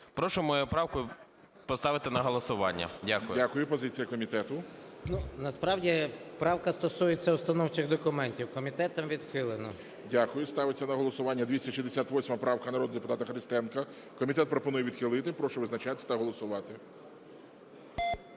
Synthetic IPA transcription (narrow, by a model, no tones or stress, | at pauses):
pɾɔʃʊmɔjupɾɑwkʊ | pɔst̪ɑʋɪt̪ɪnɐɦɔlˠɔsʊʋɑnʲːɐ̰dʲakʊjdʲakʊjʊpɔzɪt͡sʲijɐkɔmʲit̪ɛt̪ʊnunɐspɾɑwdʲipɾɑwkɐst̪ɔsujet͡sʲːɐʊst̪ɐnɔwt͡ʃɪɣd̪ɔkʊmɛnʲtʲiwkɔmʲit̪ɛt̪ɐmʋʲid̪xɪlˠenɔ | dʲakʊjʊst̪ɑʋɪt͡sʲːɐnɐɦɔlˠɔsʊʋɑnʲːɐd̪ʲʋʲisʲɐʃʲizd̪esʲat̪ʋɔsʲmɐpɾɑwkɐnɐɾɔd̪d̪epʊt̪ɑt̪ɐxɾʲɪst̪ɛnkɐ | kɔmʲit̪ɛt̪̚pɾɔpɔnujɛʋʲid̪xɪlˠɪt̪ɪpɾɔʃʊʋɪznɐt͡ʃat̪sʲɐt̪ɐɦɔlˠɔsʊʋɑt̪ɪ